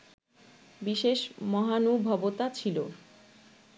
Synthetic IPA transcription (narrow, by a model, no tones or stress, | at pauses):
biʃeʃmɔɦanubʱɔbot̪at͡ɕʰilo